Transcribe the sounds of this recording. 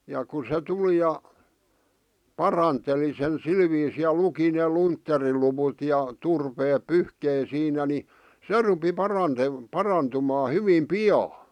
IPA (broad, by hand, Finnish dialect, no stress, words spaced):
jɑ ku se tuli jɑ pɑrɑnteli sen sil ʋiːsiː jɑ luki neˑ luntːeriluwut jɑ turpeːp pyhkei siːnæ ni se rupi pɑrɑnte pɑrɑntumɑː hyʋim piɑː